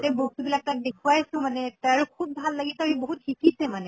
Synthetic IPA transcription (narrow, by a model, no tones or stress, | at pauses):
tɛbohtubilak̚tak̚dekʰuwajsʊ̃manɛtaaɹukʰub̚ːbʱalːaɡisaɹiboɦut̚xʰikisɛmanɛ